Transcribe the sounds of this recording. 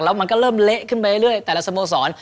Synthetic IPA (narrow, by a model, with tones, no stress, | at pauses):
k̚la˦˥ma˧nkɔː˧˩ləː˧˩mle˦˥ʔkʰɯ˧˥˩nma˧əː˧˦lɯ˥˩əjt̪ɛː˨˩la˨˧˩sa˧moː˧s̬ɔː˩˦n